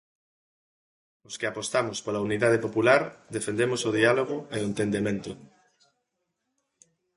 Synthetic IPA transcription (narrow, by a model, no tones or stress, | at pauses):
ʊskɪapost̪amʊspolauniðað̞epopulaɾd̪efend̪emosoðialoɣ̞ʊeoent̪end̪emẽnt̪ʊ